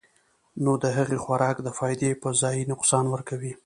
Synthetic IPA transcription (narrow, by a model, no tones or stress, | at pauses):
nod̪əɦaɣexwaɾɑkd̪əfɑjd̪epəzɑjinʊqsɑnwəɾkawi